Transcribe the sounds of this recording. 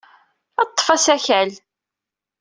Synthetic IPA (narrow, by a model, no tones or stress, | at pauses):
ɑt̪ˤːfæsæçæl